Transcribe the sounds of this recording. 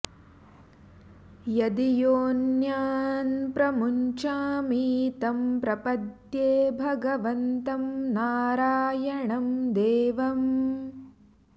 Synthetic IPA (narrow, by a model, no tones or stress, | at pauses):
jɐd̪ijoːnjaːnpɾɐmuɲt͡ʃaːmiːt̪ɐmpɾɐpɐt̪jeːbʱɐɡɐʋɐnt̪ɐmnaːɾaːjɐɳɐmd̪eːʋɐm